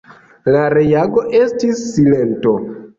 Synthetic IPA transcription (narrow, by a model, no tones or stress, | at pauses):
laɾe̞jaɡo̞ʔe̞stisːile̞nto̞